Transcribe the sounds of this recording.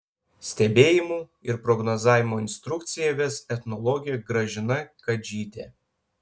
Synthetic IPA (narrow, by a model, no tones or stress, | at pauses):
sʲt̪ʲɛbʲeːjɪmuː | ɪɾpɾɔɡnɔzɑːʋʲɪmoːɪnʲst̪ɾʊkt̪sʲɪjɛʋʲɛsɛt̪nɔlˠɔɡʲɪjɛɡɾɐʒʲɪnɐkɐd͡ʒʲiːt̪ʲḛː